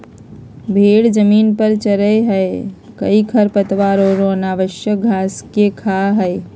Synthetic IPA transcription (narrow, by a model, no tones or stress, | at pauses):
bʱeɽd͡ʒəmiːnpəɾt͡ʃəɾəjɦəe | kə̰ikʰəɾpət̪ʋaɾoɾõnaːʋəʃjəɡʱaskekʰaɦəe